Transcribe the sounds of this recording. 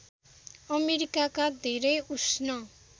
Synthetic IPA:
ʌmeɾikakad̪ʱeɾʌjusnʌ

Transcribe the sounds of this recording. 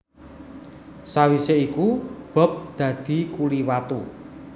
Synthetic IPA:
sawiseikub̥ɔ̤p̚d̪̥ä̤d̪̥i̤kuliwat̪u

